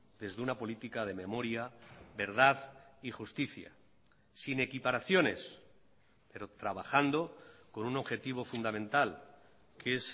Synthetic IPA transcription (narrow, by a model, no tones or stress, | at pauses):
d̪e̞zðunapo̞lit̪ikað̞e̞me̞mo̞ɾjaβe̞ɾðaðixust̪iθja̰ | sine̞kipaɾaθjo̞ne̞s | pe̞ɾo̞t̪ɾaβaxand̪o̞ko̞nuno̞βxe̞t̪iβ̞o̞fund̪amẽ̞nt̪al | kes